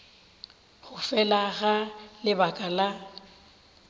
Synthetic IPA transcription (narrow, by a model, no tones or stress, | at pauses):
ɣʊfɛlaɣalɪbakʼala